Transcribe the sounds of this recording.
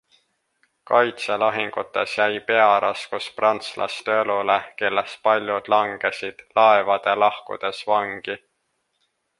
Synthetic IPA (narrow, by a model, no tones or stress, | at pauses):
kɑjt̪selɑɦiŋɡ̥ut̪ːˑe̞sjæjpe̞ɑɾʔɑskusprɑnt̪slʔɑ̰st̪eeluleke̞lːes̚pɑlʲjud̪̥lɑŋɡ̥e̞sid̪̥lɑevɑd̪̥e̞lɑhkṵd̪̥e̞svɑŋɡ̥i